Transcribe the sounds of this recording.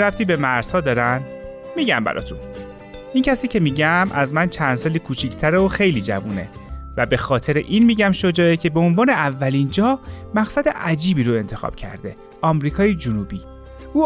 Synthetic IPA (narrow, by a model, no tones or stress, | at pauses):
ɾæft̪ʰiːbe̞mæɾz̥hɒːd̪ɒːɾæn | miːɟæmbæ̰ɾɒ̰ːt̪ʰun | ʔincʰæsiːcʰe̞miːɟæmʔæzmænt͡ʃʰænd̪sɒːliːkʰuːt͡ʃʰicʰt̪ʰæɾeoxe̞jliːd͡ʒæ̰vuːne̞̰ | væbe̞xɒːt̪ʰe̞ɾeʔinmiːɟæmʃo̞d͡ʒɒːecʰe̞be̞onvɒːne̞ævːæliːnd͡ʒɒːhmæɣsæd̪eʔæd͡ʒiːbiːɾoe̞nt̪ʰe̞xɒ̰ːb̥cʰæ̰ɾd̪e̞̰ | ʔɒːmɾiːkʰɒːjed͡ʒunuːbiː | ʔuː